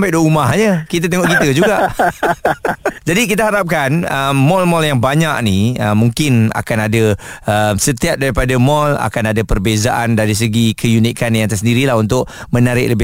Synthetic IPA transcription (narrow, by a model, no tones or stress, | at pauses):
mpadoumaɦɲəkit̪at̪əŋɔʔkit̪əd͡ʒuɡaʔ | d͡ʒadik̬it̪̬aɦaɾap̚kanəmːɔlmɔljaŋbaɲak̚niəmːuŋkɪna̰kanadaəmsət̪iap̚daɾipadamɔla̰kanadapərbezaʔandaɾis̬əɡikʰəjunikanjaŋt̪ərsəndiɾilaɦunt̪ʊʔ̚ | mənaɾɪ̰ʔ̚ləbɪ